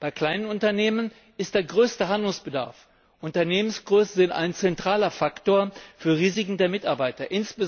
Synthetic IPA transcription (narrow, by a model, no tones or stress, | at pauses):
b̥aɪkl̥aɪnənʊntɐneːmən | ɪst̚d̥eːɐɡʁøːstəɦandl̩ŋsb̥əda̰ɐf | ʔʊntɐneːmənsɡ̥ʁøːsn̩zɪnta̰ɪnt͡sɛntʁ̥aːlɐfaktoːɐfyːɐʁiːzɪkŋ̩deːɐmɪtaɐbaɪtɐʔɪnsb̥ə